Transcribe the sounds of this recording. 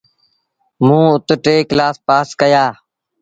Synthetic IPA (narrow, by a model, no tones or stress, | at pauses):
mũːʊt̪ʈeːklaːspaːskəjaː